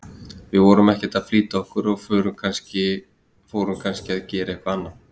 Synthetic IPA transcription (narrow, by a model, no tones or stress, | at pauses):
vɪðvɔɾʏmɛhcɛt̪aðfliːt̪aɔhkʏɾɔɣfœːɾʏmkʰanscɪ | foːwɾʏmkʰanscɪaðcɛːɾaɛhkvaanːa